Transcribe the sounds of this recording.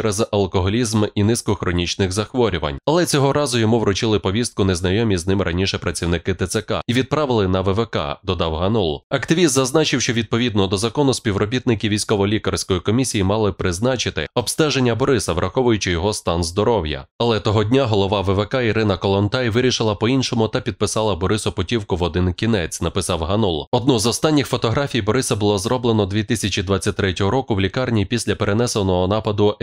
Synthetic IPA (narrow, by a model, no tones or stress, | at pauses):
eɾɛzɐlˠkɔɦɔlʲizminɪskɔxɾɔnʲit͡ʃnɪɣzɐxʋɔɾʲʊʋɐ̰nʲɐlˠɛt͡sʲɔɦɔɾɑzʊjɔmuʋɾʊt͡ʃɪlˠɪpɔʋʲist̪kʊnɛznɐjɔmʲiznɪmɾʔɐnʲiʃɛpɾɐt͡sʲiwnɪkɪt̪ɪt̪sekɑ̰iʋʲid̪̚pɾɑʋɪlˠɪnɐʋɛʋɛkɑ̰d̪ɔd̪ɑwɦɐnɔlˠɐkt̪ɪʋʲist̪zɐznɑt͡ʃɪwʃt͡ʃɔʋʲid̪̚pɔʋʲid̪nɔd̪ɔzɐkɔnʊspʲiwɾɔbʲit̪̚nɪkʲɪʋʲijsʲkɔʋɔlʲikɐrsʲkɔjikɔmʲisʲijimɑlˠɪpɾɪznɑt͡ʃɪt̪ɪ̰ɔbst̪ɛʒenʲːɐbɔɾɪsɐʋɾʔɐxɔʋʊjʊt͡ʃɪjɔɦɔst̪ɑnzd̪ɔɾɔwjɐ̰ɐlˠɛt̪ɔɦɔdʲnʲaɦɔlˠɔʋɑʋeʋekɑiɾɪnɐkɔlˠɔnt̪ɑjʋɪɾʲiʃɪlˠɐpɔinʃɔmʊt̪ɐpʲid̪̚pɪsɑlˠɐbɔɾɪsɔpɔtʲiwkʊʋɔd̪ɪnkʲinɛt͡sʲnɐpɪsɑwɦɐnɔlˠɔd̪̚nɔzɔst̪ɑnʲːixfɔt̪ɔɦɾafʲijbɔɾɪsɐbʊlˠɔzrɔblˠenɔd̪ʋʲit̪ɪsʲɐt͡ʃʲid̪ʋat͡sʲːɐt̚ʲt̪ɾɛtʲɔɦɔɾɔkʊwlʲikɑrnʲipʲisʲlʲɐpeɾenɛsɐnɔɦɔnɑpɐd̪ʊ